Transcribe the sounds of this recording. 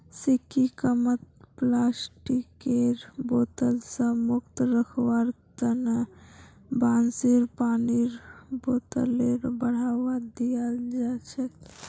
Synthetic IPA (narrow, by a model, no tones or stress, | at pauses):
sikːikəmət̪̚plasʈikeɾbot̪əlsə̃mukt̪ɾəkʰʋaɾt̪əna | bansiɾpaniɾbot̪əleɾbəɽ̤awad̪ijəld͡ʒat͡ʃʰɛ